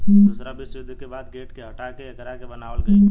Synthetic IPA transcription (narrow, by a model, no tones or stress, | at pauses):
ʊsɾabʱɪsʋɪd̪ʱkebaːd̪ɡeːʈkeɦɐʈakeɐɡəɾakebɐnaːʋəlɡəi